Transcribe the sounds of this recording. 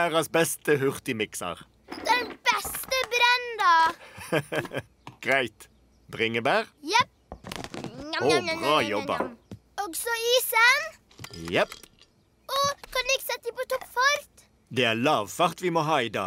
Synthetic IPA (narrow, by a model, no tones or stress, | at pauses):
æːʁəsbɛst̪əhʉʁt̪ɪmɪksɑ̰ʁ | d̪ɛnb̥ɛst̪əbɾɛnd̪ɑ | ɡ̥ʁæɪt̪ | bʁɪŋəbæːʁjɛp̚ | oɑːjɔbə̰ | ɔɡsɔiːsən | jɛp | ɔkʰɑnɪɡsɛt̪ːd̪əpot̪ɔpfɔɾt̪ | d̪ɛːæːlɑːʋfɑʁt̪ʋɪmoːɦɑːiːd̪ɑ̰ː